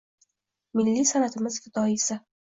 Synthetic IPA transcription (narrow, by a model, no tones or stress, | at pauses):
mɪlːisanat̪ʰɪmɪzkʲʰɪt̪ʰɒɪsɪ